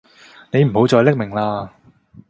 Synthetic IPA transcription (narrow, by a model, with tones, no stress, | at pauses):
ne˨˧jm̩˨˩ho˨˧wt͡sɔː˧jlɪ˥k̚mɪ˨˩ŋlaː˧